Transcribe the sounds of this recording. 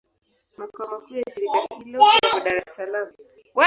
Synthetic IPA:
makaamakujaʃiɾikahilɔkakɔɗaɾɛsalam | wa

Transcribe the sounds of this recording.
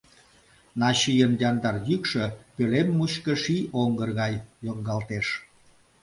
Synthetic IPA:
nɑɕijənd̪jɑnd̪ɑrjykʃøpølemːuɕkə̆ʃiʔoŋɡərɣɑjjoŋɡɑlt̪eʃ

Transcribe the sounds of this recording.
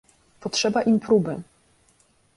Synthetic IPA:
pɔtʂɛbaʔimpɾubɘ

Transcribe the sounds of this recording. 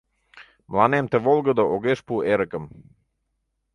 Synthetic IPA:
mlˠanemt̪əʋolˠɡəd̪əʔoɡeʃpueɾəkəm

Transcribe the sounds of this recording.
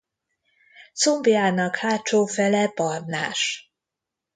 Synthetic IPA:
t̪sombijaːnɒkhaːt͡ʃoːfɛlɛpɒrna̰ːʃ

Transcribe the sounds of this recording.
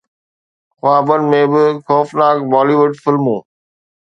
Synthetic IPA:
xʊaːbənmẽːbɪxɔːfnaːkbaːliːʋʊɖfɪlmũː

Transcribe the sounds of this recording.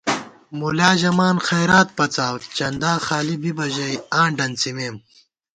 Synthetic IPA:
mulaːʑɐmaːnxɐjɾaːt̪̚pɐt͡saːwt͡ɕɐnd̪aːxaːlibibɐʑɐjãːɳɖɐnt͡simeːm

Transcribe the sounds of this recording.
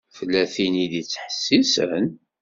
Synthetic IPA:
fəlːæθinid̪it͡sːħə̥sːisən

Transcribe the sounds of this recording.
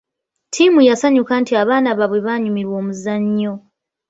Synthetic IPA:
tʰimujasaɲukantiaβaːnaβaβwe̞βaːɲumiɾwo̞ːmuzaɲːo̞

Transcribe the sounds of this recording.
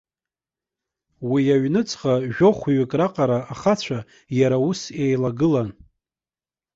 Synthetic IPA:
wijaɥnɨt͡sʼqaʒᶣoχʷɥɪkʼraqʼaɾaaχat͡ɕʷʰa | jaɾausejlaɡɨlan

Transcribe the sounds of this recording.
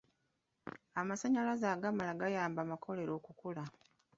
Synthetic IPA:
amasaɲalazaːɡamalaɡajaːmbamakʰo̞le̞ɾo̞ːkukula

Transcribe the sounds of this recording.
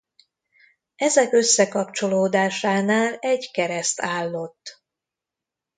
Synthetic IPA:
ɛzɛkø̞sːɛkɒpt͡ʃo̞loːd̪aːʃaːnaːlɛɟkɛɾɛst̪aːlːo̞t̪ː

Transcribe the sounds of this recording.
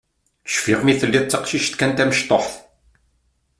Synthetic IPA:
t͡sə̥ʃfiʁmiθəlːiðˤt͡sːɑqʃiʃt̪kænt̪æməʃt̪ˤoħθ

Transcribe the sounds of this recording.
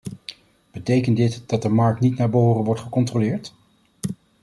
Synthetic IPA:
b̥ətejkəndɪtd̥ɑt̚dəmɑɹk̚tnitnaːɹbəoːrənʋɔɹtχəkɔntrolɪːɹt

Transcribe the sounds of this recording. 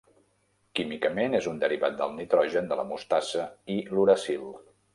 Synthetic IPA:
kimikəmenezund̪əɾiβat̪̚d̪əlˠnit̪ɾɔʒənd̪ələ̰must̪asəiluɾəsilˠ

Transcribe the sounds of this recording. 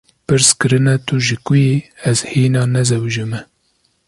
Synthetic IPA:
pɨɾskɨɾɨnɛt̪uʒɨkujeɛzhiːnɑːnɛzɛwʒɪmɛ

